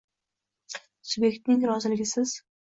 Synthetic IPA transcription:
sʊbe̞kʲt̪̚nɪŋɾɒzɪlɪɡʲɪsɪz̥

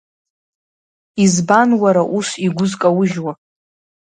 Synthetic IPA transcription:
izbanwaɾaʔusiɡʷʊzkʼawʊʒwa

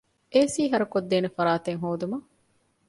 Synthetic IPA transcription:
ʔeːsiːɦɐɾɐkod̪ːeːnefɐɾaːt̪eŋɦoːd̪umɐ

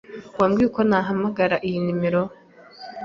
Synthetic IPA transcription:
waːmɡiukonaɦamaɡaɾaʔijinimiɾo

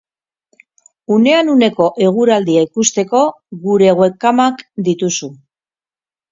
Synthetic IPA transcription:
une̞anune̞ko̞ʔe̞ɣ̞uɾald̪iaikust̪e̞ko̞ | ɣuɾe̞ɣwe̞kamakd̪it̪usu

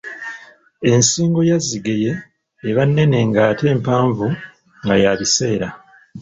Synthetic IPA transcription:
e̞nsiːŋɡo̞jaziɡe̞je̞ː | βanːe̞ne̞ŋɡaːte̞ːmpaːɱvu | ŋɡajaβise̞ːɾa

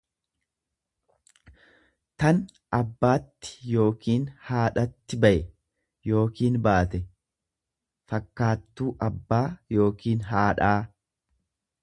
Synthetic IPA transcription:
t̪ɐn | ʔɐbːaːt̪ːɪ̥jo̞ːkiːnhaːᶑɐt̪ːɪbɐʔɛ | jo̞ːkiːnbaːt̪ɛ | fɐkːaːt̪ːuːʔɐbːaːjo̞ːkiːnɦaːᶑaː

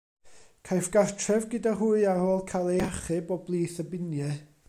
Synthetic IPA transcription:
kʰajfɡ̥artʰrɛvɡɨdaɦuɨarhoːlˠkʰajlˠejaχɨbɔblˠiːθəbɪnjɛ

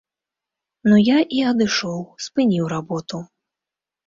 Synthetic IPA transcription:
nujaʔiɐd̪ɨʂɔwspɨnʲiwɾabɔt̪u

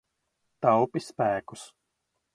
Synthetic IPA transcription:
t̪awpispæːku̥s

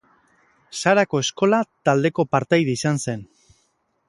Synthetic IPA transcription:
saɾako̞e̞sko̞lat̪ald̪e̞ko̞paɾt̪ajðiisanse̞n

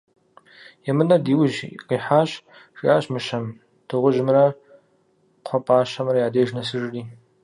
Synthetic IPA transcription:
jɛmɨnɐdiːwʒqʼiːħaːɕ | raːɕmɨʃɐm | d̥ʰɨʁʷʊʒmrɐ | qʷʰɔpʼaːɕɐmrɐjaːdeːʒnɐsɨʐriː

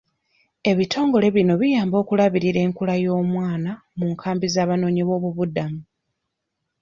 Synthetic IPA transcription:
e̞βitʰo̞ːŋɡo̞le̞βino̞βijaːmbo̞ːkulaβiɾiɾe̞ːŋkulajo̞ːmwaːna | muŋkʰaːmbizaːβano̞ːɲiβo̞ːβuβudamu

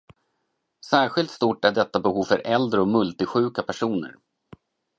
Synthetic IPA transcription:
sæːɾɧɪlt̪st̪uʈːæɖɛt̪ːabɛhuːvfœɾʔɛld̪ɾəɔmɵlt̪ɪɧʉ̟ːkapʰæʂuːnə̰ɾ

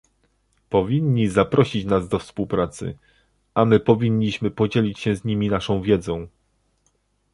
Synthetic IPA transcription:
pɔvʲiɲːizapɾɔɕit͡ɕnazd̪ɔfspuwpɾat̪sɘ̰ | amɘpɔvʲiɲːiɕmɘpɔd͡ʑelʲit͡ɕɕɛ̃zɲimʲinaʂɔ̃w̃vʲjɛd̪zɔ̃w̃

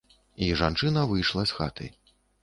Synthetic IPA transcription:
iʐant͡ʂɨnɐvɨjʂlˠɐsxa̰t̪ʰɐ̰j

